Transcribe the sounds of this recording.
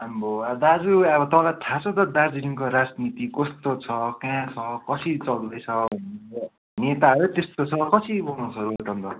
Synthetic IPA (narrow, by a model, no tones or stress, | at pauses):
amboad̪ad͡zuʌbʌt̪ʌpãlaʈʰãt͡sʰʌt̪ʌd̪aɾd͡ziliŋkoɾad͡znit̪ikʌst̪ot͡sʰʌkãt͡sʰʌkʌsʰit͡sʌld̪ʌjt͡sʰʌbʱʌneɾ | net̪aʌɾut̪est̪ot͡sʰʌkʌsʰibʌnũt͡sʰʌɾoʈʌnt̪ʌ